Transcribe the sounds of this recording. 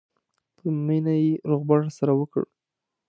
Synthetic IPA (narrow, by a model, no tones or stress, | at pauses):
pʰəminajeɾoɣbaʒasaɾawəkə̰ɽ